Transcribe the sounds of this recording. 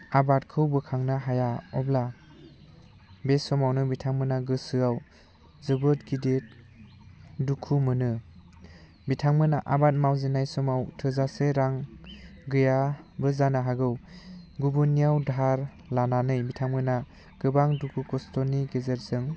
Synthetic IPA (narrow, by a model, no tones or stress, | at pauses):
abatkʰɯwbɯkʰaŋnaɦajaɔbla | besɔmawnɯbitʰaŋmɯnaɡɯsɯaw | zɯbɯtɡidet̚ | dukʰumɯnɯ | bitʰaŋmɯnaʔabat̚mawzenajsɔmawtʰɯzaseɾaŋɡɯjabɯzanaɦaɡɯwɡubunijawdʱaɾ | lananɯjbitʰaŋmɯna | ɡ̥ɯbaŋdukʰukɔstɔniɡezeɾsɯŋ